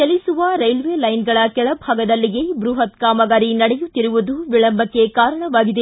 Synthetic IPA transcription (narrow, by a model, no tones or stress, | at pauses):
kɛlisuʋɐɾɐjlʋeːlɐjnɡɐɭɐkɛɭɐbʱaːɡɐd̪ɐlːiɡebɾuɦɐt̪kaːmɐɡaːɾinɐɽɛjut̪ːiɾuʋud̪uʋiɭɐmbɐkːe̞kaːɾɐɳɐʋaːɡid̪e